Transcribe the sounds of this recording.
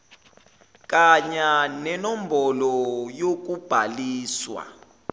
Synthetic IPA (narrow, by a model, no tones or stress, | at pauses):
k̬ʼaɲanɛnɔm̩bɔlɔjok̬ub̥ʱaliːswa̰